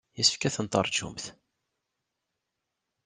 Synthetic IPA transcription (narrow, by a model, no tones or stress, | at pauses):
jəsəfkæθənt̪ˤə̰ɾˤd͡ʒṵmθ